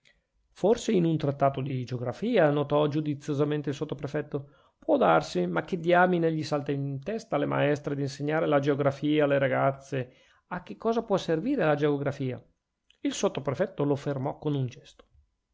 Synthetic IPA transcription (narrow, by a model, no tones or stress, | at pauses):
forseinunt̪ɾat̪ːaːt̪od̪id͡ʒeoɡɾafiːanot̪ɔd͡ʒud̪it̪sːjozament̪eilsot̪ːopɾefɛt̪ːo | pwɔd̪arsimak̟ːed̪ːiaːmineʎisalt̪aint̪ɛst̪alema̰ɛst̪ɾed̪inseɲːaːɾelad͡ʒeoɡɾafiːaːleɾaɡat̪sːe | ak̟ːekːɔːzapwɔsːerviːɾelad͡ʒeoɡɾafiːa̰ | ilsot̪ːopɾefɛt̪ːolofermɔkːonund͡ʒɛst̪o̥